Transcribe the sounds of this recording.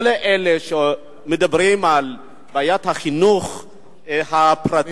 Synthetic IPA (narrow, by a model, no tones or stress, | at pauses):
leʔeleʃe | med̪abʁimal | baːjat̪haχinuχ | hapɾat